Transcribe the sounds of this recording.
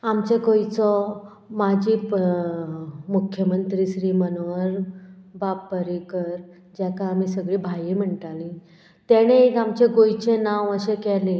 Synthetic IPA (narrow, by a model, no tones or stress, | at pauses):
amt͡ɕeɡojt͡sɔ | mad͡ʑiː | mukʰːjəmənt̪ɾiːɕɾiːmənoʋəɾbapːəɾikəɾ | d͡ʑakaːmisəɡɭiːbʱajim̤əɳʈ̪alĩ | t̪ɛɽ̃eekamt͡ɕeɡojt͡ɕenaʋəɕekɛlẽ